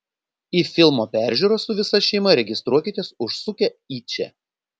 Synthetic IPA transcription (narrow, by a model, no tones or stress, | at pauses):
iːfʲɪlˠmoːpʲæˑɾʲˑʒʲuːɾoːsʊʋʲɪsɐʃʲɛɪmɐɾʲɛɡʲɪst̪ɾuɔkʲɪt̪ʲeːsʊʃsʊkʲɛiːt͡ʃʲɛ̰